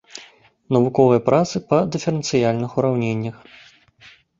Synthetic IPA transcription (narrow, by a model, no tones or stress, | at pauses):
nɐvukɔvɨjɐpɾʔat̪sɨpɐd̪ɨfʲɛɾɛnt̪sɨjalʲnɨxuɾawnʲenʲːɐx